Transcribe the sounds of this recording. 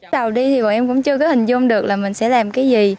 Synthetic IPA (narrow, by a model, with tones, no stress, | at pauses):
ɗə˨˩wɗi˧t̪ʰi˨˩vɔ̰˨˩ʔɛ˧mkʊ̰˧˥ŋ͡mt͡ɕɨ˧əkɔ˨˦hï˨˩ŋ̟zʊ˧ŋ͡mɗɨ˨˩ək̚laː˨˩mï˨˩ŋ̟sɛ̰˧˥laː˨˩mkaː˨˦jzi˨˩